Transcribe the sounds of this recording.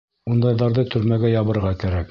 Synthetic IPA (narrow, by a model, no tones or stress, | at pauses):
und̪ɑjðɑɾðɤt̪ʰɵ̆ɾmæɡæjɑβɤ̆ɾʁɑkæɾæk